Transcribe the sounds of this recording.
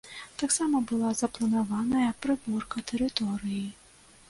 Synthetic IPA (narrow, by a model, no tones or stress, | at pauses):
t̪aksamɐbɨlˠazɐplˠɐnavanɐjɐpɾɨburkɐt̪ɛɾɨt̪ɔɾɨji